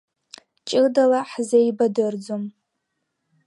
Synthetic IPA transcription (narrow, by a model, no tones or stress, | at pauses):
t͡ʃʼɪdalaħzejbadɨrd͡zom